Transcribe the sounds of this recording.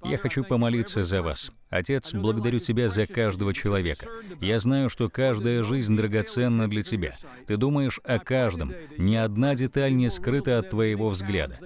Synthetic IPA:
ja̰xɐt͡ɕupəmɐlʲit̪səzɐva̰s | ɐ̰tʲet̪sblˠəɡəd̪ɐɾʲutʲɪbʲazɐkaʐd̪əvət͡ɕɪlˠɐvʲekə̥jaznajʊʂt̪o̞kaʐd̪əjəʐɨzʲnʲd̪ɾəɡɐt̪sɛnːəd̪lʲɐtʲɪbʲa̰ | t̪ɨd̪uməjɪʂɐkaʐd̪əmnʲɪɐd̪nadʲɪt̪alʲnʲɪskɾɨt̪əɐt̪ːvəɪvo̞vzɡlʲa̰d̪ə

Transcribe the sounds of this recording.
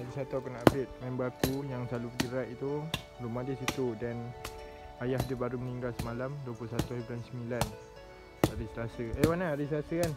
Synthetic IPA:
aɾisat̪akanaabɪt̪̚mambakujaŋsalupəɡiɾaʔit̪u | rumahdisit̪udan | ajahdəbaɾuməniŋɡalsəmalamduəpuusat̪uiblansəmĩlan | aɾist̪asəewanaaɾist̪asəkan

